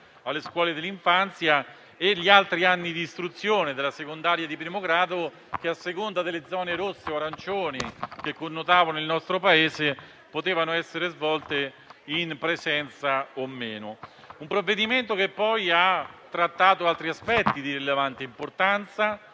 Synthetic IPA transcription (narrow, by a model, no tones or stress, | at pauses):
alːeskwɔːled̪elːiɱfant̪sja | eʎːialt̪ɾianːid̪iːst̪ɾut̪sːjoːned̪elːasekond̪aːɾjad̪ipɾimoɡɾaːd̪o | k̟easːekond̪ad̪elːed̪zːɔːneɾosːeoaɾant͡ʃoːnikekːonːot̪aːvonilnɔst̪ɾopaeːze | pot̪eːvanoɛsːeɾezvɔlt̪e | inpɾezɛnt̪saomːeːno | umpɾovːed̪iment̪okepːɔjat̪ːɾat̪ːaːt̪oalt̪ɾiaspɛt̪ːid̪iɾilevant̪eimport̪ant̪sa